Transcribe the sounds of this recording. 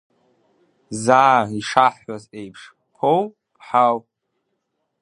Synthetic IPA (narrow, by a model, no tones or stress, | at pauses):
zaːiʂaħaze̞jpʰʂ | pʰow | pʰħaw